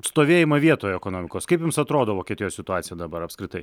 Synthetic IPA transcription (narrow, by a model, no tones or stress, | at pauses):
st̪oːʋʲeːjɪmɐʋʲiɛt̪oːjoɛkoːnoːmʲɪkoːskɐɪpjʊmsɐt̪ɾoːd̪oːʋoːkʲɛt̪ɪjoːssʲɪt̪ʊɑːt̪sʲɪjɛd̪ɐbɐɾɐpskɾʲɪt̪ɐɪ